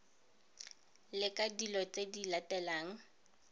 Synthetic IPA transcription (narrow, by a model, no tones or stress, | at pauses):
lɪkʼadilɔt͡sedilatɛlaːŋ̩